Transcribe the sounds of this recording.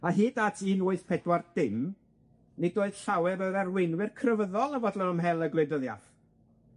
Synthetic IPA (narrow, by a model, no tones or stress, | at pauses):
aɦiːdatʰiːnʊɨθpʰɛdward̥ɪm | nɪdoːɨð̥ɬawɛɾəɾarwɪnwɪrkʰrəvəðɔlˠəvɔdlˠɔnəmɦɛlˠəɡlɨdəðja̰θ